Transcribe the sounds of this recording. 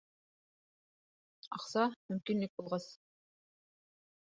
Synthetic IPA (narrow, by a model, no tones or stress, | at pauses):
ɑ̰qsɑmɵmkinlɘk̚bulˠʁɑs